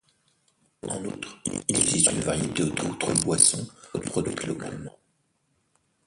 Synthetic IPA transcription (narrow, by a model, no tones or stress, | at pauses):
ɑ̰̃nut̪χilzist̪ynvaʁjet̪eot̪ot̪χəbwasɔ̃pχɔd̪ɥḭklɔkã̰lmɑ̃